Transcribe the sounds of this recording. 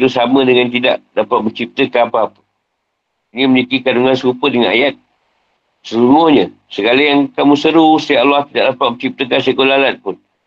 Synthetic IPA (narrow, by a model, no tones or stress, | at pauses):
t̪usamə̃dəŋant̪ida̰ʔdapat̪̚mət͡ʃip̚t̪əkaapaapə̥ | ɲĩməlikikaduŋansəkupədəŋana̰jat̪̚ | səsuŋʊhɲə | səɡalajaŋkamũsəɾusə̥t̪iaʔalːaht̪ida̰ʔdapat̪̚mət͡ʃip̚t̪əkansəkolalat̪̚pʊn